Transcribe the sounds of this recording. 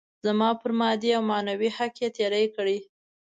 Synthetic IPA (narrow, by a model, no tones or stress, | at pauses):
zamɑpəɾmɑd̪iawmɑnawihakjet̪eɾəjkəɽi